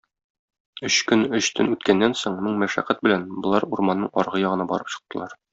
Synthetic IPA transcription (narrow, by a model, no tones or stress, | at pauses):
ɵɕkɵnɵɕt̪ʰɵnʉt̪kænːænsoɴmɘɴmæʃæ̰qæt̪̚bɘ̆lænbŏlˠɑɾuɾmɑnːɤɴɒɾʁɤjɒʁɤ̆nɑbɒ̰ɾɤpɕɤ̆q̚t̪ɤ̆lˠɑɾ